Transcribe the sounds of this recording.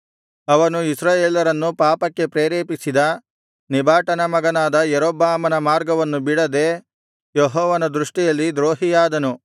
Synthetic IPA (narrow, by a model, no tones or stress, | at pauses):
ɐʋɐnuisɾaːjeːlɐɾɐnːupaːpɐkːe̞pɾeːɾeːpisid̪ɐ | nibʱaːʈɐnɐmɐɡɐnaːd̪ɐjeɾoːbaːmɐnɐmaːɾɡɐʋɐnːubiɽɐd̪eː | joɦɔːʋɐnɐd̪ɾuʂʈijɐlːid̪ɾoːɦijaːd̪ɐnu